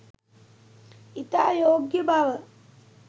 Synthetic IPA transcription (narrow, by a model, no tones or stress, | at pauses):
it̪aːjoːɡjɐbʱaʋɐ